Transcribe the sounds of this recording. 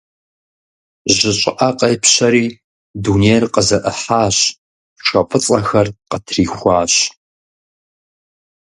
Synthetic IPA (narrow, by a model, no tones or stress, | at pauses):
ʑɪɕʼɪʔɐqʼɐjpʰɕɐɾiː | duːneːrqəzɐʔəħaːɕ | ʃʷɐpʼɨt͡sʼɐxɐrqətʰriːxʷɑːɕ